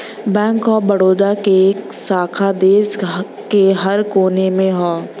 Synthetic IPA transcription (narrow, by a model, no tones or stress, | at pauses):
bɛ̃ːŋkɔːɾbɐɽoːd̪akeksaːkʰad̪eːs | keɦɐɾkoːnemẽɦoː